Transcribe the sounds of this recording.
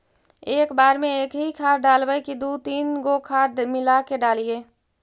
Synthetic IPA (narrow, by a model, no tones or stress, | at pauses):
eːkbaːɾmẽeːkɦikʰaːɾɖaːlbəjkid̪ut̪iːnɡokʰaːɾmɪlakeɖaːlieː